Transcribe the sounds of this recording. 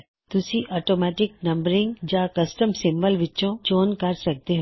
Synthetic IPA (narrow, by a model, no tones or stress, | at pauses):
t̪ʊsĩʔɔːʈoːmɛːʈɪk̚nɐ̃mbəɾɪ̃ŋɡd͡ʒakɐsʈəmsɪ̃mbəlʋɪt͡ʃõt͡ʃoːnkɐɾsɐk̚t̪eɦo